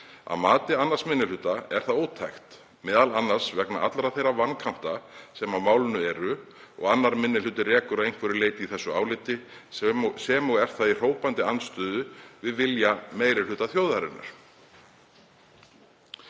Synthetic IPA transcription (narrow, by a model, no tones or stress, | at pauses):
a̰ðmaːt̪ɪanːasmɪnːɪlʏːt̪aɛɾ̥θaðoːwt̪ʰajxt̪ | mɛːðalanːasvɛkna̰ʔat̪lɾaθejravankʰan̥t̪asɛmawmaːwlʏnʏɛɾʏ | ɔ̰ɣanːaɾmɪnːɪlʏːt̪ɪrɛːkʏɾaðejnŋ̥kvɛɾɪleːjt̪ɪiθɛsːʏaːwlɪt̪ɪ | sɛmɔɛɾ̥θaðir̥oːwpant̪ɪanːst̪ʏːðʏvɪðvɪljameːjɾɪlʏːt̪aθjowðaɾɪ̰nːa̰ɾ̥